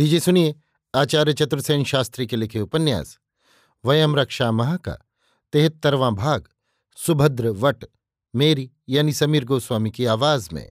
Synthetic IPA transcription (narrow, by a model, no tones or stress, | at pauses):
biːd͡ʒesʊnie | aːt͡ʃaːɾjət͡ʃɐt̪ɾəsɐːnʃaːst̪ɾikelɪkʰeupɐnja̰ːs | ʋɐjɐmɾɐkʃaːmɐɦaːka̰ | t̪eɦɪt̪ːɐɾʋãːbʱaːɡ | sʊbʱɐd̪ɾəʋɐʈ | meːɾi | jaːnisɐmiːɾɡoːswaːmikeaːʋaːzmḛ̃